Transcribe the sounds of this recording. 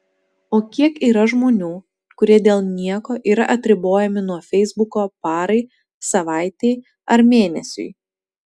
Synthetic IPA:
oːkʲiɛkiːɾɐʒmoːnʲuː | kʊɾʲiɛd̪ʲeːlˠnʲiɛkoːʔiːɾɐ̰ʔɐt̪ʲɾʲɪboːjɛmʲɪnuɔfʲɛɪzbʊkoːpɑːɾɐɪ | sɐʋɑˑɪt̪ʲeɪ | ɐɾmʲeːnʲɛsʲʊ̰ɪ

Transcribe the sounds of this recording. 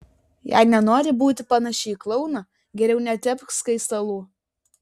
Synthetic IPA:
jɛ̰ɪnʲɛnoːɾʲɪbuːt̪ʲɪpɐnɐʃʲɛːklˠɒʊnɐ | ɡʲɛɾʲɛʊnʲɛt̪ʲɛpʲskɐɪst̪ɐlˠuː

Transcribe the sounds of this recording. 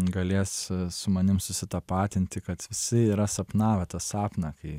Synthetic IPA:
ɡɐlʲeːssʊmɐnʲɪmsʊsʲɪt̪ɐpɑːt̪ʲɪnʲt̪ʲɪkɐt̪ʋʲɪsʲɪiːɾɐsɐpnɑːʋʲɛt̪ɐsɑːpnɐkɐɪ

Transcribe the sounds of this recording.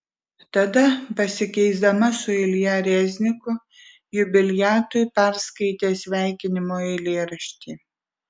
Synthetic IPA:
t̪ɐd̪ɐpɐsʲɪkʲɛɪzd̪ɐmɐsʊɪlʲjɛɾʲɛzʲnʲɪkʊ | jʊbʲɪlʲjæːt̪ʊjpʲæɾskɐɪt̪ʲeːsʲʋʲæˑɪkʲɪnʲɪmoːɛɪlʲeːɾɐʃʲt̪ʲiː

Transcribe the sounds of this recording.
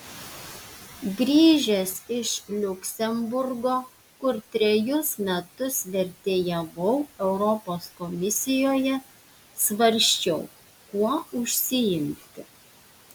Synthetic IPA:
ɡɾʲiːʒʲɛsɪʃlʲʊkʲsʲɛmbʊɾɡoː | kʊɾt̪ʲɾʲɛjʊsmʲɛt̪ʊsʋʲɛɾʲt̪ʲeːjɛʋɐʊɛʊɾɔpoːskɔmʲɪsʲɪjoːjɛ | sʋɐɾʲsʲt͡ʃʲɛʊ | kuɔʊʃʲsʲɪjɪmʲt̪ʲɪ

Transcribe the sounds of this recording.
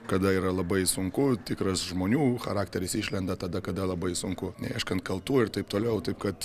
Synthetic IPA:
kɐd̪ɐiːɾɐlˠɐbɐɪsʊŋkʊt̪ʲɪkɾɐsʒmoːnʲuːxɐɾɑːkt̪ʲɛɾʲɪsiːʃʲlʲɛnd̪ɐt̪ɐd̪ɐkɐd̪ɐlˠɐbɐɪsʊŋkʊnʲɛɪʃkɐnt̪̚kɐlˠt̪uːɪrt̪ɐɪpt̪oːlʲɛʊt̪ɐɪpkɐt̪

